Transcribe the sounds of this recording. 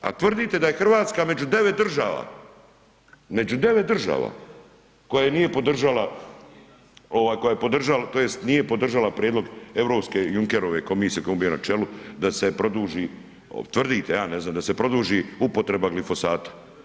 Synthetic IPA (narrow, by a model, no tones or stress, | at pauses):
a̰t̪ʋr̩d̪it̪e̞d̪aje̞xr̩ʋaːt̪skame̞d͡ʒud̪e̞ʋe̞t̪̚d̪r̩ʒaːʋa̰ː | me̞d͡ʒud̪e̞ʋet̪d̪r̩ʒa̰ːʋa̰ | ko̞jajenije̞pod̪r̩ʒala | o̞ʋaːjko̞jajepo̞d̪r̩ʒalat̪o̞jest̪nije̞po̞d̪r̩ʒalapɾjeːd̪loɡe̞vɾo̞pskejuŋkeɾoʋe̞ko̞miːsijekojembijona̰t͡ʃelud̪ase̞pɾo̞d̪uːʒḭː | t̪ʋr̩d̪it̪ejaːne̞zaːmd̪ase̞pɾo̞d̪uːʒiupo̞t̪ɾe̞baɡlifo̞saːt̪ḁ